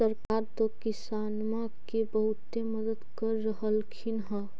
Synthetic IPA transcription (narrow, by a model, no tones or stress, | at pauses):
səɾkaɾt̪okɪsanma | kebəɦut̪ːeməd̪əd̪kəɾːəɦəlkʰinɦə̃